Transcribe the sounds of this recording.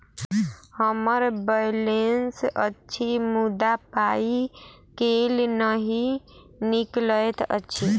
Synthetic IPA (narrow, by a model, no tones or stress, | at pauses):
həməɾbəjlensətːʃʰimud̪apai | kelnəɦi | nikləjt̪ə̰tːʃʰi